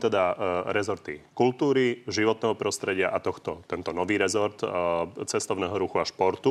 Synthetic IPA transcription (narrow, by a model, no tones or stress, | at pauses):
t̪ɛd̪aɾɛzɔɾt̪ḭkult̪uːɾiʒiʋɔt̪̚nɛːɦɔpɾɔst̪ɾɛɟɪaʔat̪ɔxt̪ɔt̪ɛnt̪ɔnɔʋiːɾɛzɔɾt̪t͡sɛst̪ɔʊnɛːɦɔɾuxuaʃpɔɾt̪u